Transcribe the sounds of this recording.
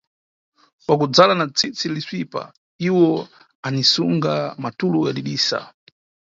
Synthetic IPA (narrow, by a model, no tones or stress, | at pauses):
kwakud͡zalanat͡sit͡silisipa̰ | iwɔ | anisuŋɡamatulujaɗiɗiːsa̰